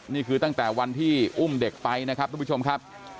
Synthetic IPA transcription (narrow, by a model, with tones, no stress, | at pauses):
niː˥˩kʰɯː˧t̪a˥˩ŋt̪ɛː˨˩wa˧nt̪ʰiː˥˩ʔu˥˩mde˨˩k̚pa˧jna˦˥kʰɾa˦˥p̪̚ʰaː˥pʰu˥t͡ɕo˧m˥kʰa˦˥p̚